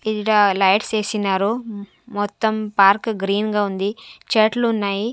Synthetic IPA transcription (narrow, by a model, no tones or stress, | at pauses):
iɽalɐjʈst͡ʃeːsinːaːɾu | mɔt̪ːɐmpaːɾkɡɾiːnɡaːund̪it͡ʃeːʈlunːaːji